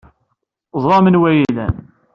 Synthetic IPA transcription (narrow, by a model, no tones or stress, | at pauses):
ðˤɾˤɑmənwæjiðæ̰n